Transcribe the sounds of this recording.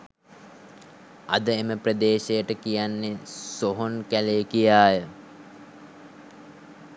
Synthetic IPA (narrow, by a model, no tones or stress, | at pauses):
ad̪əeməprɾəd̪eːʃejəʈəkijanːesoɦonkæleːkijaːjə